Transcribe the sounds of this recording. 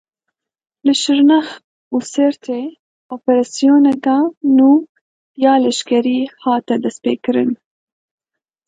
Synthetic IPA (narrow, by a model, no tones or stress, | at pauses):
ləʃɪɾnax | useɾt̪ʰe | opeɾasijonakanu | jɑlaʃkaɾihɑt̪ad̪aspekɾən